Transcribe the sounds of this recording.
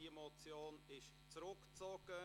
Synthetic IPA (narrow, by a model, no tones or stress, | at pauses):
iemot͡sjoːnɪʃ | t͡sɾʊkt͡sɔɡ̥ə